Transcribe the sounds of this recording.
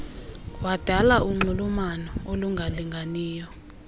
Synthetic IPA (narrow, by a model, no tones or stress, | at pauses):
wad̥ʱalauŋ͡ǃulumanɔoluŋɡʱaliŋɡʱaniːjɔ